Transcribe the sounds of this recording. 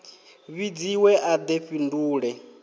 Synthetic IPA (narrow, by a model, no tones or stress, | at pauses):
βid͡ziwɛʔad̪eɸinduːɺɛ